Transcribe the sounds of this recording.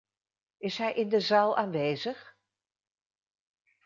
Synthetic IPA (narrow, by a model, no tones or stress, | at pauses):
ɪsɦɛjʔɪndəzaːlˠaːnʋeːzəχ